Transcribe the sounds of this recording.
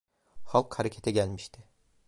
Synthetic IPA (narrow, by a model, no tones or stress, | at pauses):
χɑlˠqhaɾakʲʰat̪ʰaɡʲalmɪʃt̪ɪ